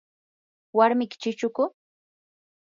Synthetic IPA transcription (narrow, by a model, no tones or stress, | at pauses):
waɾmɪkɪ̥t͡ʃɪt͡ʃʊkʊ